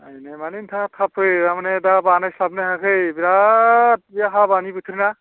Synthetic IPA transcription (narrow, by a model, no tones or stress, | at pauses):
ajnamanint̪ʰãt̪ʰapʰɯjɾamaned̪abanajslabneɦãkʰɯjbiɾat̪̚jaɦabanibut̪ʰɾna